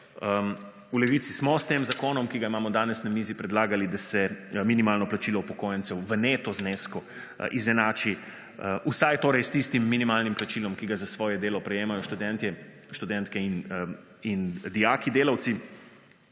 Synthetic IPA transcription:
ə | ulɛʋit̪sismɔst̪eːmzakoːnɔmkiɡaimaːmɔd̪aːnɛsnamiːzipɾɛd̪laːɡalid̪asɛminimaːlnɔplat͡ʃilɔupɔkoːjɛnt̪sɛwʋəneːt̪ɔzneskɔ | ʔizɛnaːt͡ʃi | usajt̪oːɾɛjst̪ist̪imːinimaːlnimplat͡ʃilɔmkiɡazasʋɔːjɛd̪eːlɔpɾɛjeːmajɔʃt̪ud̪ɛnt̪ɛ | ʃt̪ud̪ɛnt̪kɛin | ind̪ijaːkid̪eːlawt̪si

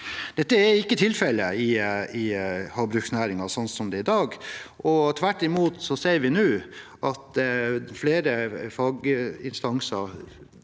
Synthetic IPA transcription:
d̪̥ɛt̪ːəɛɾɪkːət̪ʰɪlfɛləɪɪhɑɾbɾʉksnæːɾɪŋɑsɔnsɔmd̪ɛɪd̪ɑːɡʔɔt̪ʰʋæʈːɪmuːt̪sɔseːɾʋɪnʉːʔɑt̪fleːɾəfɑːɡɪnst̪ɑŋsɑɾ

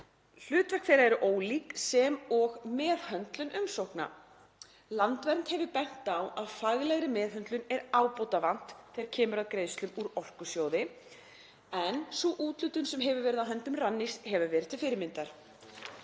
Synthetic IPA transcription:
l̥ʏːt̪vɛ̥kfθejɾaɛɾʏʔoːwliːksɛmɔɣmɛːðhœnt̪lʏnʔʏmsowhkna̰ | lant̪vɛnt̪hɛvɪpɛn̥t̪awaðfaɣlɛɣɾɪmɛːðɦœnt̪lʏnɛɾaːwpowt̪avan̥t̪ːʰɛɾcʰɛːmʏɾaðkɾeːjst̪lʏmuɾɔr̥kʏsjoːwðɪ | ɛnsuʔuːt̪lʏt̪ʏnsɛmɦɛvʏvɛɾɪðaɦœnt̪ʏmranːishɛvʏvɛːɾɪðt̪ʰɪlfɪɾɪmɪnt̪aɾ̥

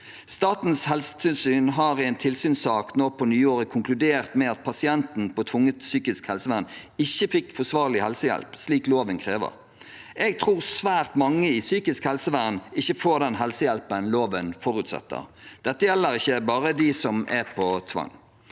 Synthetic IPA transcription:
st̪ɑːt̪n̩shɛlsə̥t̪ʰɪlsyːnɦɑʁɪɛɪnt̪ʰɪlsyːnsɑːknoːpʰɔnyːoːʁəkʰʊŋklʉd̪eːʁt̪mɛɑt̪̚pʰɑsɪɛnt̪n̩pʰɔt̪ʰʋʊŋːət̪syːkɪskhɛlsəʋæʁn | ɪçːəfɪkːfɔsʋɑːʁlɪhɛlsəjɛ̰lpsliːkloːʋənkʰʁeːʋə̰ʁ | ɛɡ̚t̪ʰʁuːʁsʋæːʁt̪mɑŋːəiːsyːkɪskhɛlsəʋæʁnɪçːəfoːʁd̪ɛnɦɛlsəjɛlpənloːʋənfɔʁʉt̪sɛ̰t̪ːə̰d̪̥ɛt̪ːəjɛlːəɾɪçːəbɑːʁəd̪ɪsɔmɛpʰɔt̪ʰʋɑ̰ŋ

